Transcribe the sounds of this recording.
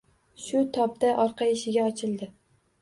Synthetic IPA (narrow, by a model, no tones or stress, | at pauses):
ʃʊt̪ʰɒp̚d̪aʔɒɾqɑɪʃɪɡʲaɒt͡ʃʰɪlˠd̪ɪ